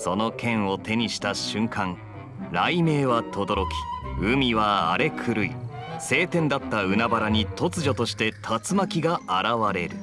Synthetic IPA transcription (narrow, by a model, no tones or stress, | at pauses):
so̞no̞kẽ̞ɰ̃o̞t̪e̞ɲ̟iɕi̥t̪aɕɨ̃ŋkʰãŋ | ɾaime̞ːβat̪ʰo̞d̪o̞ɾo̞kʲi̥ɯ̟mʲiβaa̰ɾe̞kʰɯ̟ɾɯ̟ḭse̞ːt̪ẽ̞nd̪at̪ːaɯ̟nabaɾaɲ̟it̪o̞t͡sɨʑo̞t̪o̞ɕi̥t̪e̞t̪ʰat͡sɨmakʲiɡaaɾaβaɾe̞ɾɯ̟